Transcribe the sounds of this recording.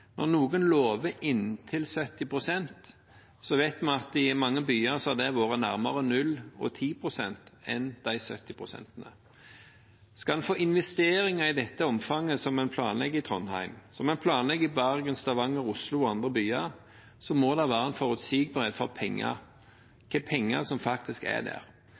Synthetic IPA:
nɔ̰nuːɡənloːʋəʔɪnt̪ʰɪlsœt̪ːɪpʰʁʊsɛnt̪ | sɔʋæɪt̪mɑnɑt̪ɪmɑŋːəbyːɑʁsɔæʁd̪ɛʋoːʁənæʁmɑʁənʉlɔ̰t̪ʰiːpʰʁʊsɛ̰nt̪ɛnd̪̥æɪsœ̰t̪ːɪpʰʁʊsɛ̰nt̪ənə | skɑld̪ɛnfoːʔɪnʋɛst̪eːɾɪŋɑɪd̪ɛt̪ːəɔmfɑŋːəsɔmæɪnpʰlɑ̰ːnlɛɡːəɪt̪ʰʁɔnhæ̰ɪmsɔmæɪnpʰlɑːnlɛɡːəɪbæʁɡənst̪ɑʋɑŋːəɾʊslʊɔɑnd̪ʁəbyːɑɾ | sɔmɔd̪ɑʋæːɾəɛnfɔʁʉt̪siːɡ̚bəʁed̪fɔʁpʰɛŋːɑ̰ɾ | kʰɛpʰɛŋːəʁsɔmfɑk̚t̪ɪskæ̰d̪æ̰ʁ

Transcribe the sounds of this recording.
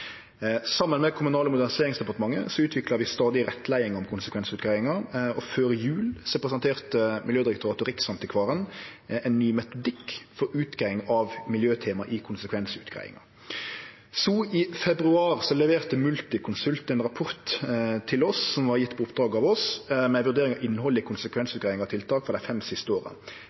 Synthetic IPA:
sɑmːənmɛkʰʊmʉnɑːləmʊd̪æʁnɪseːʁɪŋsd̪ɛpɑʁt̪əmɑŋːə̰sɔʉːt̪ʰʋɪklɑʋɪst̪ɑːd̪ɪɾɛt̪ʰːlæɪɪŋɔmkʰʊnsəkʰʋɛnsʉːt̪̚ɡɾæɪɪŋɑɔføːɾəjʉːlsɔpʁɛsɑnt̪ʰeːʁt̪əmʔɪljøːd̪ɪɾɛkt̪ʰːɾɑt̪ʊʁɪksɑmt̪ɪkʰʋɑːɾənɛnnyːmɛt̪ʊd̪ɪkːfɔɾʉːt̪ɡæɪŋɑʋmɪljøːt̪ʰɛːmɑʔɪkʰʊnsəkʰʋɛnsəʉːt̪ɡʁæ̰ɪɪ̰ŋɑ̰ | sɔʔɪfɛbʁʉɑːʁsɔlɛʋeːʁt̪əmʉlt̪ɪkʰʊnsʉlt̪ɛnʁɑpʰɔʁt̪t̪ʰɪlɔssɔmʋɑʁjɪt̪ːpʰɔʊpd̪ɾɑːɡɑːʋɔsmɛʋʉʁd̪eːʁɪŋɑʔɪnːhɔlːɪkʰʊnsəkʰʋɛnsʉt̪ɡʁæɪɪŋɑt̪ʰɪlt̪ʰɑːkfɔʁd̪æɪfɛmsɪst̪əoːʁə̰

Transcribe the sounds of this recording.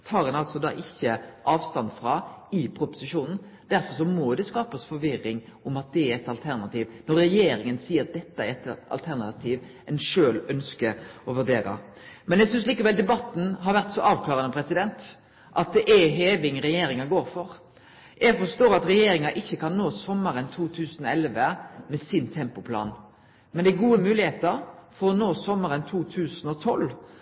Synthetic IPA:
t̪ʰɑːɾɛnɑlsɔd̪ɑ̰ːʔɪçːəʔɑːʋst̪ɑnd̪fɾɑɪpʰɾʊpʊ̥sɪʂuːnn̩ | d̪̥æɾfɔɾʂɔmɔd̪ɛskɑːpɑsfɔɾʋɪɾːɪŋʊmɑt̪̚d̪ɛæɾɛt̪ɑlt̪ʰæɾnɑt̪iːʋnɔɾːɛjeːɾɪŋənsiːəɾɑt̪̚d̪ɛt̪ːɑæɾɛt̪ʔɑ̰lt̪ʰæɾnɑt̪ʰiːʋ | ɛɪnʂøːlœnskəɔʋʉɖeːɾɑ̰ | mɛnjæɛɡsʏnsliːkəʋɛld̪ɛbɑt̪ːn̩ɦɑɾʋæʁt̪sɔʔɑːʋkʰlɑːʁənəpʰɾɛsɪd̪ɛnt̪ | ʔɑt̪̚d̪ɛʔɛɦeːʋɪŋɾɛjeːɾɪŋɑɡoːɾfɔɾ | jæɡfɔst̪oːɾɑt̪ɾɛjeːɾɪŋɑʔɪçːəkʰɑnːoːsɔmːəɾənt̪ʰuːt̪ʰʉːsənɔɛlʋəmɛsɪnt̪ʰɛmpʊpʰlɑ̰ːn | mɛnd̪ɛɛɡuːəmʉːlɪheːt̪əɾfɔɾɔnoːsɔmːəɾənt̪ʰuːt̪ʰʉːsənɔt̪ʰɔl

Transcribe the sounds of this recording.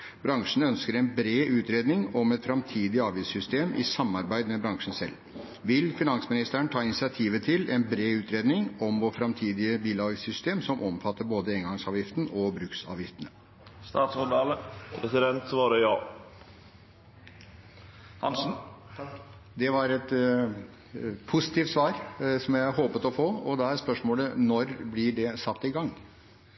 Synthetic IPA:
bɾɑŋʂɳ̩œnskəɾɛnbɾeːʔʉːt̪ɾeːd̪nɪŋɔmɛt̪fɾɑmt̪ʰiːd̪ɪɑːʋisʏst̪eːmʔɪ̰sɑmːɑɾbæɪd̪mɛbɾɑŋʂən̩sɛ̰lː | ʋɪlfɪnɑnsmɪnɪst̪əəɳt̪ʰɑːɪnɪsɪɑt̪ʰiːʋət̪ʰɪlɛnbɾeːʉːt̪ʰɾeːd̪nɪŋɔmʋɔfɾɑmt̪ʰiːd̪ɪəbiːlɑːɡsʏst̪eːmsɔmʔɔmfɑt̪ːəɾboːd̪əeːŋɡɑŋsɑːʋjɪft̪ən̩ɔbɾʉːksɑ̰ːʋjɪft̪ənə | st̪ɑːt̪sɔɖɑːləpʰɾɛsɪd̪ɛnt̪sʋɑːɾəjɑː | d̪ɛʋɑɾɛt̪ | pʰʊsɪt̪iːft̪sʋɑːɾsɔmjæɪɦoːpət̪ɔfoːɔd̪ɛæɾspœʂmoːlənɔɾblɪɖɛsɑt̪ːɪɡɑŋː

